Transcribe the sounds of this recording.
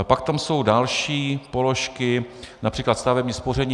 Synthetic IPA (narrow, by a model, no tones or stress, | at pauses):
pakt̪amso̞wdalʃiːpo̞lo̞ʃkɪnapr̝̥iːklat̪st̪avɛbɲɪspor̝ɛɲ